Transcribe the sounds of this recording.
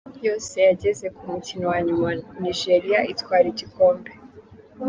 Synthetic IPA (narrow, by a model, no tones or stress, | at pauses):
jo̞ːse̞jaɟe̞ze̞kumucinowaɲumaniʒe̞ɾiaitwaːɾiɟikʰo̞ːmbe